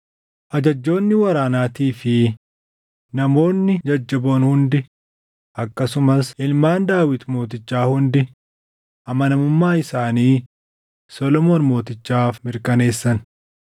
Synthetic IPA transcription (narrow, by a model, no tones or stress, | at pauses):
ʔɐd͡ʒɐd͡ʒːo̞ːnːɪwɐɾaːnaːt̪iːfɪ | nɐmo̞ːnːɪd͡ʒɐd͡ʒːɐbo̞ːnhʊnd̪ɪ | ʔɐkːɐsʊmɐsʔɪlmaːnd̪aːwɪt̪mo̞ːt̪̬ɪt͡ʃːaːhʊnd̪ɪ | ʔɐmɐnɐmʊmːaːɪsaːniː | sɔlɔmoːnmo̞ːt̪ɪt͡ʃːaːfmɪɾkɐne̞ːsːɐn